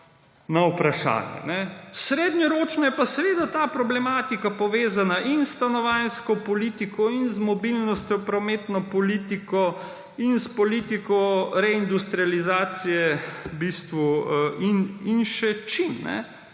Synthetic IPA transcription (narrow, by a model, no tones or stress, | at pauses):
nawpɾaʃa̰ːnjɛ̰nɛsɾeːd̪nʲɔɾoːt͡ʃnɔjɛpasɛʋeːd̪at̪aːpɾɔblɛmaːt̪ikapɔʋeːzanaʔinst̪anɔʋanskɔpɔliːt̪ikɔinzmɔbilnɔst̪ʲjɔpɾɔmeːt̪nɔpɔliːt̪ikɔ | inspɔlit̪ikɔɾɛind̪ust̪ɾializaːt̪sijɛbist̪ʋuʔininʃɛt͡ʃimnɛ̰